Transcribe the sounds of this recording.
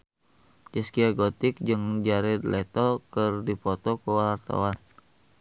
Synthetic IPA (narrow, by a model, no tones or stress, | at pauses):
d͡ʒɛskiaɡot̪ik̚d͡ʒɨŋd͡ʒaɾɛd̪lɛt̪ɔkərdipɔt̪ɔkəwaart̪a̰wan